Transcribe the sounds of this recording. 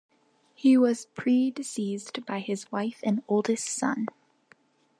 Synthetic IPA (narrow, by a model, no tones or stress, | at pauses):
hiwʌz̥pʰɹ̥idɨsizb̥aɪɨzwaɪfɨ̃noʊlˠdɨstsʌ̰̃n